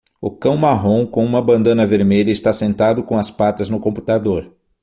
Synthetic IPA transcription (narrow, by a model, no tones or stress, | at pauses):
ʊkɐ̃w̃maɦõw̃kõũmɐbɐ̃nd̪ɐ̃nɐveɾmeʎɐɪst̪asẽnt̪ad̪ʊkõw̃ɐspat̪ɐznʊkõmpu̥t̪ad̪oɾ